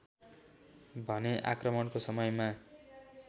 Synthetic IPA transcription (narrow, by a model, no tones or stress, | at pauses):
bʱʌneʔa̰krʌmʌnkosʌmʌjma